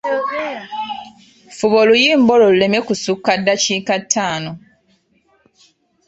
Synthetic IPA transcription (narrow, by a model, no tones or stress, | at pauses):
fuβo̞lujiːmbo̞lo̞lule̞me̞kusukːadːaciːkatʰːaːno̞